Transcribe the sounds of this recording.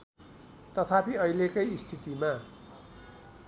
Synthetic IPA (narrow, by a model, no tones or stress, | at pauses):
t̪ʌt̪ʰapiʌilekʌjist̪ʰit̪ima